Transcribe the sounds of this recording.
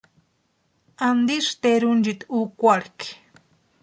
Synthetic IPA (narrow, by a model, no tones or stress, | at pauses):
and̪iʃt̪eɾund͡ʒit̪ukʷaɽki̥